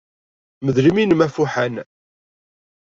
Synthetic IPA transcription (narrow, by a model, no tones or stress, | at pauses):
məðɾiminmæfuħən